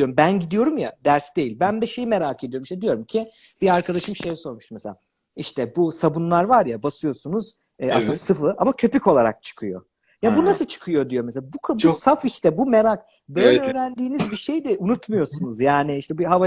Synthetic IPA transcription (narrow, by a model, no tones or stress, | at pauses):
d̪ijo̞ɾumbænɟid̪ijo̞ɾumja̰d̪æɾsd̪e̞jilʲbænd̪ɛʃejimeɾaːkʰe̞d̪ijo̞ɾmiʃt̪ɛd̪ijo̞ɾumcʰib̥iaɾkʰad̪aʃɯmʃejɛso̞ɾmuʃmeselʲa | iʃt̪ʰɛbusabunlˠaɾvaɾjabasɯjo̞sunuz̥ | ɛasɯnd̪asɯfɯʔamacʰø̞pyco̞lˠaɾa̰k̚t͡ʃʰɯ̥kʰɯjo̞̰ | jabunasɯt͡ʃʰɯ̥kʰɯjo̞d̪ijo̞mes̬elʲabukʰasafiʃt̪ʰɛbumeɾak̚ | bø̞jjlʲɛøːɾænd̪iːnizbiʃe̞jd̪ɛʔunut̪mujo̞sunuzjaːnɪiʃt̪ʰɛbiɦava